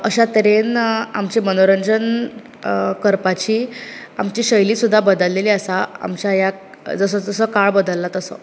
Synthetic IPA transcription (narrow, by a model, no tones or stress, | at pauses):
əɕat̪əɾenamt͡ɕimənoɾənd͡ʑən | kəɾpat͡ɕiːamt͡ɕiːɕəjliːsud̪ʱːabəd̪əlːeliːəsaa̰mt͡ɕaja | d͡zəsəd͡zəsəkaɭbəd̪əlːat̪əsə̰